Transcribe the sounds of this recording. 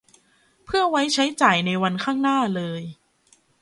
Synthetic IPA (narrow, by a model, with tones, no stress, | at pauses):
pʰɯ˥˩ɐwa˦˥jt͡ɕʰa˦˥jt͡ɕaː˨˩jna˧jwa˧nkʰaː˥˩ŋnaː˥˩lɤː˧j